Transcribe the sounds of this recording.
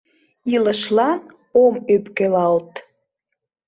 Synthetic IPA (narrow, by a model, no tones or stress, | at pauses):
iləʃlɑn | omøpkølɑlt̪